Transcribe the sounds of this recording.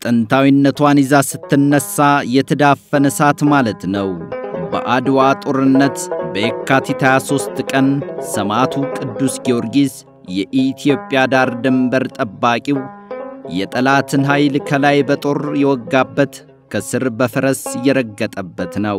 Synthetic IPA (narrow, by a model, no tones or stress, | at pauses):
t̪ʼənt̪ʰawinːət̪wanizasɨt̪ːɨnːəsːajɛt̪ʰəd̪afːənəsat̪malət̪nəwbə̰ʔad̪wat̪ʼo̞ɾɨnːət̪bəekːat̪ʰit̪ʰajaso̞st̪kʼənsəmat̪ʰukʼɨd̪ːusɡio̞ɾɡiz | jɛʔit̪ʰijo̞pʼːjad̪aɾd̪ɨmbəɾt̪ʼəbːakʼiwjɛt̪ʼəlat̪ʰɨnɦajlkʰəlajbət̪ʼo̞ɾjɛwɔɡːabːət̪ | kʰəsɨɾbəfɨɾəsjɛɾəɡːət̪ʼəbːət̪nəw